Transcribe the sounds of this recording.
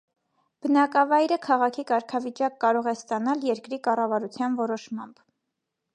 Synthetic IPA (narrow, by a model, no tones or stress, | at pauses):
b̥ənɑkɑvɑjɾəkʰɑʁɑkʰikɑɾkʰɑvit͡ʃɑkːɑɾɔʁɛst̪ɑnɑljɛɾkɾikɑrɑvɑɾut͡sʰjɑnvɔɾɔʃmɑmb̥